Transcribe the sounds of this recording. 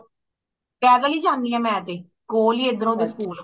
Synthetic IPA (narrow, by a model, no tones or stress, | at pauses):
pɛːɡ̪aːliːd͡ʒãːŋiːɛ̃ːmɛ̃ːt̪eː | koːliːed̪ɾõːd̪eːskuːl